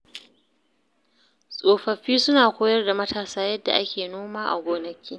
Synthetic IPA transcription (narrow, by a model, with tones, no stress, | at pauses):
sʼoː˨ɸɐ˨ɸiː˦sʊ˦naː˨kʷoː˦jɐ˦rda˨mɐ˦tʰaː˨saː˦jɐ˦dːa̰˨ʔa˦kʲeː˨noː˦maː˦ʔa̰˨ɡʷoː˨nɐ˦kʲʰiː˦